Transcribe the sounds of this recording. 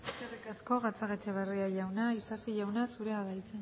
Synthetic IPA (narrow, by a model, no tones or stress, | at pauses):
eskerikasko̞ɣat͡saɣet͡ʃeβeriaʝawnaisasiʝawnasuɾe̞aðajt͡sen